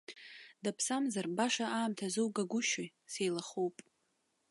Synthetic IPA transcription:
dapʰsamzarbaʂaaːmtʰazɨwɡaɡʷʊʃoj | sejlaχowpʼ

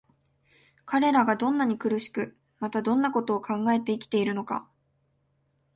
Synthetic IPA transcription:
kʰaɾe̞ɾaɡad̪õ̞nːaɲ̟ikɯ̟ɾɯ̟ɕi̥kɯ̟ | mat̪ad̪õ̞nːako̞t̪o̞ːkʰãŋɡae̞t̪e̞ikʲi̥t̪e̞iɾɯ̟no̞ka̰

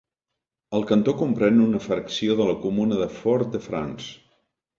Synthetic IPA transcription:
əlˠkənt̪okumpɾɛnunəfɾəksioðələkumunəðəfɔɾt̪̚d̪əfɾa̰ns

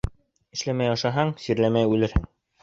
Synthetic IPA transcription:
ɘ̆ʃlæmæjɑʃɑɦɑɴsiɾlæmæjʉlɘɾhɘŋ

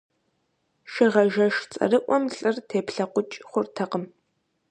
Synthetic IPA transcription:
ʃɪʁɐʒɐʃt͡sʼɐ̰rɨʔʷɔmɬʼɨrtʰeːpɬɐqʷʊt͡ʃʼχʷʊrtʰɐqəm

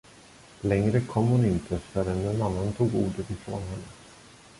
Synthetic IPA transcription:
lɛŋɾəkʰɔmːhʊnɪnt̪ʰəfœɾɛnːɛnanːant̪ʰuːɡuːɖət̪ɪfɾo̰ːnɦɛnːə

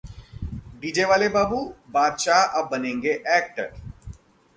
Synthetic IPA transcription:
ɖiːd͡ʒeʋaːlebaːbubaːd̪ʃaʔɐb̚ːɐnẽːŋɡeʔɛːk̚ʈə̰ɾ

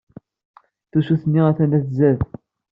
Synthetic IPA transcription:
θusuθənːiæθænd̪æθzæð

